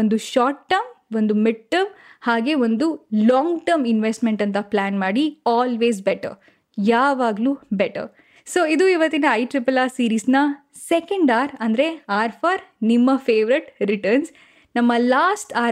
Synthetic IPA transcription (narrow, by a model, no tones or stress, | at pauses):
ond̪uʃaːʈʈɐmond̪umiɖ̚ʈːɐɾmhaːɡe̞ːond̪ulɔːŋɡʈɐɾminʋesʈmeɳʈɐnt̪ɐplaːnmaːɽiaːlʋeːzbeʈɐ̰ɾ | jaːʋaːɡlubeʈɐ̰ɾ | soːid̪uiʋɐt̪ːinɐːjʈɾipɐlaːsiːɾiːsnɐ | sekɐɳɖaːɾɐnd̪ɐɾe̞aːɾpʰaːɾnimːɐfʰeːʋɐɾeʈɾiʈɐɾns | nɐmːɐlaːsʈaː